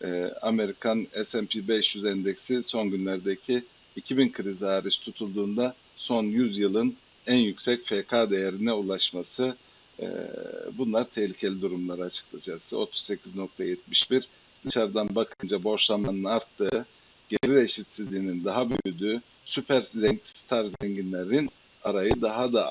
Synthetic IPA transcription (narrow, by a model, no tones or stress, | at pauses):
ɛa̰me̞ɾikʰanɛsɛmpʰibɛʃjyzɛnd̪ɛcsiso̞nɟynlʲæɾd̪ecʰiː | cʰibinkʰɯɾizaːɾɯʃt̪ʰut̪ʰulˠd̪uːnd̪a | so̞njyzjɯlˠɯn | ænjycsɛcfekʰad̪e̞jeɾinɛulˠaʃmasɯ̰ | bunlˠaɾt̪ʰɛhlʲicʰe̞lʲid̪uɾumlˠaɾɯat͡ʃʰɯ̥klˠad͡ʒaksɯo̞t̪ʰu̥sse̞cʰizno̞k̚t̪ʰajɛt̪̚miʃbiɾ | d̪̥ɯʃaɾd̪anbakʰɯnd͡ʒabo̞ɾʃlˠamanɯnaɾt̪ːɯː | ɟ̥eɾiɾe̞ʃit̪sizlʲiːnind̪aɦabøjyd̪yː | sypʰæɾzɛɲst̪ʰaɾzeɲɟinlʲeɾin | aɾajɯd̪aɦad̪a